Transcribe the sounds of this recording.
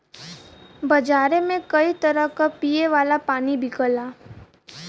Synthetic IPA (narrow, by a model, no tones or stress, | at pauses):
bɐd͡ʒaːɾemẽkɐit̪ɐɾəɦkapiːeʋaːlapaːnibʱɪkəlaː